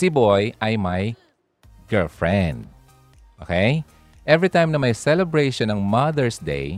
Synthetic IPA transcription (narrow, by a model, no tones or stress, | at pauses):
sɪbojʔɐjmɐj | ɡ̥ɛlfɹɛ̃nd̪̚ | ʔoːkej | ʔɛvɹit̪ãjmnɐmɐjsɛlɛbɹejʃɔnɐŋmɐðɛɹsd̪ḛj